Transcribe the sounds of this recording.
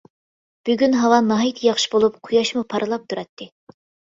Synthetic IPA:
b̥yɡʲynɦɑwɑnːɑɦit̪ʰjɑχʃi̥bolˠup̚qʰʊjɑʃmupʰɑɾɨlˠɑp̚t̪ʰuɾɛt̪ʰːɨ

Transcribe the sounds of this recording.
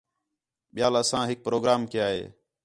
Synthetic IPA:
ɓɪjaːləsãːɦɪk̚pɾoːɡɾaːmkɪjaːɦḛː

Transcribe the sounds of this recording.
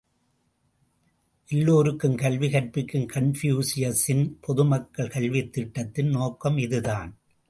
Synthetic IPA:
ʔɪlːoːɾɯkːɯmkɐlʋɪɣɐʈpɪkːɯmkɐɳfjuːsɪjɐsɪnpʰɔðɯmɐkːɐɭkɐɭʋɪt̪ːɪʈːɐt̪ːɪnnoːkːɐmɪðɯðaːn

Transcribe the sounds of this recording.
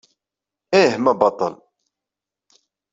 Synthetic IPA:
ehmæbɑt̪ˤə̰l

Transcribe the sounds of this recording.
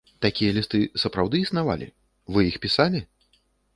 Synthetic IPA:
t̪akʲijɐlʲist̪ɨsɐpɾawd̪ɨːsnava̰lʲḭ | vɨjixpʲisalʲi

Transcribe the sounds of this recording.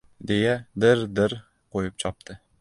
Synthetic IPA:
d̪ejad̪ɪɾd̪ɪɾ | qʰojɪp̚t͡ʃʰɒp̚t̪ʰɪ

